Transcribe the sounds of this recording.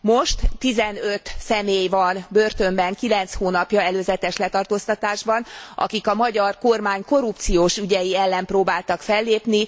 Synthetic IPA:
mo̞ʃt̪ːizɛnøt̪sɛmeːjvɒnbørt̪ø̞mbɛŋkilɛnt̪shoːnɒpjɒɛløːzɛt̪ɛʃlɛt̪ɒrt̪oːst̪ɒt̪aːʒbɒnʔɒ̰kikɒmɒɟɒrko̞rmaːɲko̞ɾup̚t̪sijoːʃyɟɛjiɛlːɛmproːbaːlt̪ɒkfɛlːeːpni

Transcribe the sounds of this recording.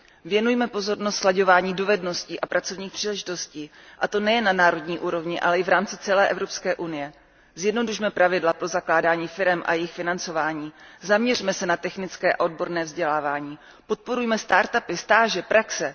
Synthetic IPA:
vjɛnujmɛpo̞zo̞ɾnost̪slaɟo̞vaːɲiːdo̞vɛdno̞sciːʔapɾʔat͡so̞vɲiːxpr̥iːlɛʒɪt̪o̞sciːʔat̪o̞nɛjɛnːanaːɾo̞dɲiːʔuːɾo̞vɲɪʔa̰lɛɪvɾaːmt͡sɪt͡sɛlɛːʔɛvɾo̞pskɛːʔunɪjɛ | zjɛdno̞duʃmɛpɾʔavɪdlapɾo̞zaklaːdaːɲiːfɪɾɛmʔa̰jɛjɪxfɪnant͡so̞vaːɲiːzamɲɛrimɛsɛnat̪ɛxnɪt͡skɛːʔaod̚bo̞ɾnɛːvzɟɛlaːvaːɲiː | pot̪̚po̞ɾujmɛst̪aːɾt̪apɪst̪aːʒɛpɾaksɛ

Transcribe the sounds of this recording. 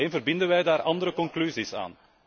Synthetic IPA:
eːnvərbɪndənʋɛjdaːɾʔɑndəɾəkɔŋklyzisa̰ːn

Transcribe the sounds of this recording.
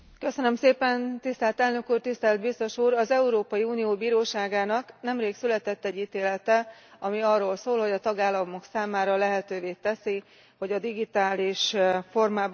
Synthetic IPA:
kø̞sønømseːpɛnt̪ist̪ɛlt̪ɛlnø̞kuːrt̪ist̪ɛlt̪bist̪o̞ʃuːɾɒzɛuɾoːpɒjiuːnijoːbiːɾoːʃaːɡaːnɒknɛmreːksylɛt̪ɛt̪ːɛɟːiːt̪eːlɛt̪ɛɒmiɒrːoːlsoːlho̞ɟɒt̪ɒɡaːlːɒmo̞ksaːmaːɾɒlɛɦɛt̪øːveːt̪ɛsi | ho̞ɟɒd̪iɡit̪aːliʃfo̞rmaːb

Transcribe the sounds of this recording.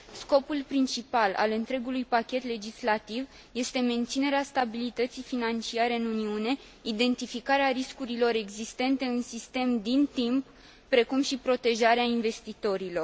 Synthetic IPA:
sko̞pulpɾint͡ʃipala̰lɨnt̪ɾe̞ɡulujpakʲe̞t̪le̞d͡ʒislat̪iv | je̞st̪e̞me̞nt̪sine̞ɾeast̪abilit̪ət̪sijfinant͡ʃiaɾe̞ɨnuniune̞ | id̪e̞nt̪ifikaɾeaɾiskuɾilo̞ɾe̞ɡzist̪e̞nt̪e̞ɨnsist̪e̞md̪int̪imp̚ː | ɾe̞kumʃipɾo̞t̪e̞ʒaɾeainve̞st̪it̪o̞ɾilo̞r

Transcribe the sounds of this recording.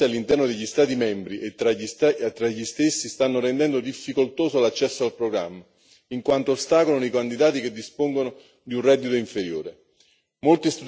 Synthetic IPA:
ialːint̪ɛrnod̪eʎːist̪aːt̪imɛmbɾiʔet̪ːɾaʎist̪ːɾaʎːist̪esːist̪anːoɾɛnd̪ɛnd̪od̪ifːikolt̪oːsolat͡ʃːɛsːoalpɾoɡɾa̰mːa | iŋkwant̪oːst̪aːkolnoikand̪id̪aːt̪iked̪ːispoŋɡono | d̪iunrɛd̪ːit̪oiɱfeɾjoːɾe | molt̪ist̪ud̪

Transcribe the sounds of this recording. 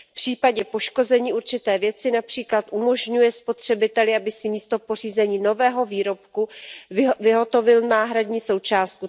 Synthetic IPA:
fpr̝̥iːpaɟɛpo̞ʃko̞zɛɲiːʔuɾt͡ʃɪt̪ɛːvjɛt͡sɪnapr̥iːklat̪ʔumo̞ʒɲujɛspo̞t̪r̝̥ɛbɪt̪ɛlɪabɪsɪmiːst̪o̞po̞r̝iːzɛɲiːno̞vɛːɦo̞viːɾo̞pku | vɪɦo̞t̪o̞vɪlnaːɦɾadɲiːso̞wt͡ʃaːst̪̚ku

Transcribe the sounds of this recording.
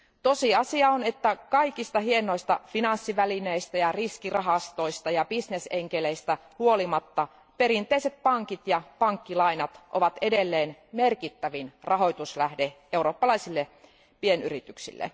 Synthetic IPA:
t̪osiɑsiɑonet̪ːækɑikist̪ɑɦieno̞ist̪ɑfinɑnsːiʋælineist̪æjɑriskirɑɦɑst̪oist̪ɑjɑbisneseŋkeleist̪æhuolimɑt̪ːɑ | peɾint̪ˑeiset̪̚pɑŋkit̪jɑpɑŋkːilɑinɑt̪ʔo̰ʋɑt̪e̞delːeːnmerkit̪ːæʋinrʔɑɦo̞jt̪uslæhde | euroːpːɑlɑisilːe | pienyrit̪yksḭlːḛ

